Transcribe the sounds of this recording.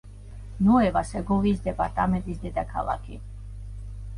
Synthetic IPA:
nɔɛvasɛɡɔviːsd̪ɛpʼaɾt̪ʼamɛ̃nt̪ʼisd̪ɛd̪akʰa̰lˠa̰kʰi

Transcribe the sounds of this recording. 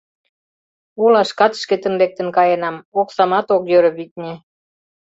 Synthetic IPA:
ulɑʃkɑt̪ʃket̪ə̆nlek̚t̪ə̆nkɑjenɑmoksɑmɑt̪okjøɾəβit̪̚ʲnʲe

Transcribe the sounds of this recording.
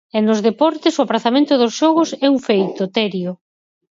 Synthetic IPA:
enozðepɔɾt̪ɪsoapɾaθamẽnt̪ʊðosʃɔɣʊsɛuɱfejt̪ot̪ɛɾjʊ

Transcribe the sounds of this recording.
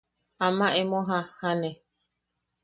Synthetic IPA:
amãʔemõɦãhane

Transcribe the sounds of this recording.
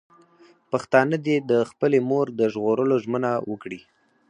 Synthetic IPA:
paxt̪ɑnəd̪ed̪əxpəlemoɾd̪əʒɣoɾəloʒmənawəkɽi

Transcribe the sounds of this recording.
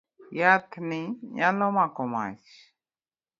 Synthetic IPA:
jat̪ʰniɲalomakoma̰ʃ

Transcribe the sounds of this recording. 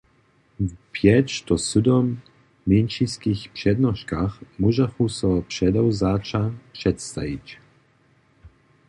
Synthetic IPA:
vpjɛt͡ʃt̪ɔsud̪ɔmː | inʃiskixpʂɛd̪nɔʃkaxmuʒaxusɔpʂɛd̪ɔwzat͡ʃapʂɛt̪st̪avit͡ɕ

